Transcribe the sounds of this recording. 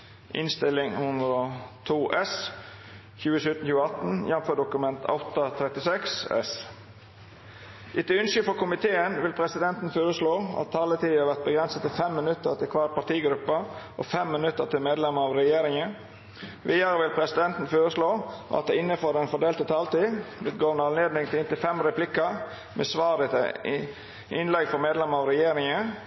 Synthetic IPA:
ʔɪ̰nst̪ɪlɪŋhʉnd̪ɾot̪ʰuːʔɛs | çʉːəsʉt̪ən̩çʉːəɑt̪n̩jɛnføːɖʊkʉmɛnt̪ʰɑ̰ʊt̪ɑt̪ʰɾɛt̪ɪsɛksɛ̰s | ʔɪt̪ːəʉnsəfɔkʰʊmɪt̪ʰeːənʋɪlpʰɾɛsɪd̪ɛnt̪n̩føːɾəsloːʔɑ̰t̪t̪ʰːɑːlət̪ʰiːæːɾʋæɾt̪̚bəɡɾɛnsət̪ʰːɪlfɛmːənʉt̪ːəɾt̪ɪlkʰʋɑːɾpʰɑt̪iːɡɾʉpːəʔɔ̰fɛmːɪnʉt̪ːət̪ʰɪlmeːd̪lɛməɾɑʋɾɛjeːɾɪŋə | ʋiːɑɾəʋɪlpʰɾɛsɪd̪ɛnt̪n̩føːɾəsloːʔɑ̰t̪̚d̪ɛɪnːəfɔːd̪ɛnfɔɖeːlt̪ət̪ʰɑːlt̪iːlʉːt̪ɡoːɾnɑnleːd̪nɪŋt̪ʰɪlɪnt̪ɪfɛmɾɛplɪkə | mʔḛːsʋɑːd̪ɪt̪ | ʔɪnlɛɡfɔmeːd̪lɛməɑʋɾɛjeːɾɪŋə

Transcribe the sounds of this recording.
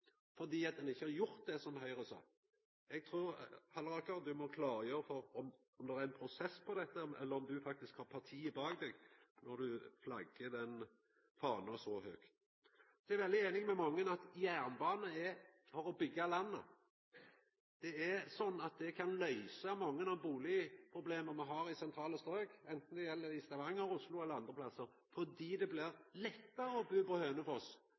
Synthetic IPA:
fɔʁd̪iːɑt̪̚d̪ɛnɪçːəhɑɾjʊɾt̪̚d̪ɛsɔmhœʏɾəsɑ̰ː | ɛɡ̚t̪ʰɾuːɾhɑlɾɑkɑd̪ʉmɔkʰlɑːɾəjøːɾəfɔɾɔm | ɔmd̪ɛɾæɾɛnpʰɾʊsɛsːpʰɔd̪ɛt̪ːəɛ̰lːəɾɔmd̪ʉfɑk̚t̪ɪskhɑːʁpʰɑt̪ʰiːɪbɑːɡd̪ɛːɡnɔd̪ʉflɑɡəd̪ɛn | fɑːnɔsɔhøːkt̪ | sɔɛɛɾʋɛld̪ɪeːnɪŋmɛmɑŋːənɑt̪jæːʁnbɑːnəɛfɔɾɔbʏɡːɑlɑnːə̰ | d̪̥ɛɛsɔnːɑt̪̚d̪ɛkʰɑnlœʏsɑmɔŋːənɑbuːlɪəpʰɾʊbleːməmɛɦɑːɾɪsɛnt̪ʰɾɑːləst̪ɾøːɡɛnt̪n̩d̪ɛjɛlːəɾɪst̪ɑʋɑŋːəɾʊslʊɛlːəɾɑnd̪ʁəplɑsːəɾ | fɔd̪iːd̪ɛblɪɾlɛt̪ːəɾəɔbøːpɔhøːnəfɔs

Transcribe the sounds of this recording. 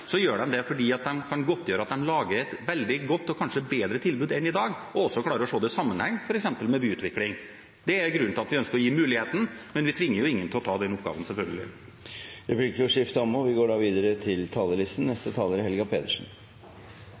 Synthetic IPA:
sɔjøːɖɛnd̪ɛfɔɖiːɑt̪̚d̪ɛnkʰɑnɡɔt̪ʰːjøːɾəɑt̪̚d̪ɛnlɑːɡəɾɛt̪ʋɛld̪ɪɡɔt̪ːɔkʰɑnʂəbeːd̪ɾət̪ʰɪlbʉːd̪ɛnɪd̪ɑːɡɔɔsːɔklɑːɾəɾɔʂoːd̪ɛsɑmːənhɛŋːfɔɾɛksɛmpəlmɛbyːʉːt̪ʰʋɪklɪŋ | d̪ɛæɾɡɾʉnt̪ɪlɑt̪ʋɪœnskəɾɔjiːmʉːlɪheːt̪n̩mɛnʋɪt̪ʰʋɪŋːəɾjʊɪŋːənt̪ʰɪlɔt̪ʰɑːd̪ɛnʊpɡɑ̰ːʋənsɛlfœlɡəlɪ̰ | ɾɛplɪkːəɾɔʂɪft̪əɔmɔʋɪɡoːɖɑːʋiːd̪əɾət̪ʰɪlt̪ʰɑːləlɪst̪n̩ːɛst̪ət̪ʰɑːləɾhɛlɡɑpʰeːt̪əʂn̩

